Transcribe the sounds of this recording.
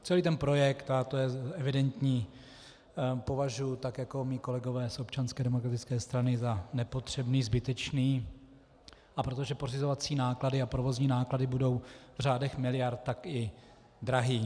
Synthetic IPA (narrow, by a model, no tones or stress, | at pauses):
t͡sɛliːt̪ɛnpɾo̞jɛkt̪at̪ojɛɛvɪdɛnt̪ɲiː | po̞vaʒujut̪akjako̞miːko̞lɛɡo̞vɛːsʔo̞pt͡ʃanskɛːdɛmokɾat̪ɪt͡skɛːst̪ɾanɪzanɛpo̞t̪r̥ɛbniːzbɪt̪ɛt͡ʃniː | ʔapɾo̞t̪oʒɛpo̞rɪzo̞vat͡siːnaːkladɪapɾo̞vo̞zɲiːnaːkladɪbudo̞wvr̝aːdɛxmɪlɪjaɾt̪t̪ːakɪ | d̪ɾaɦiː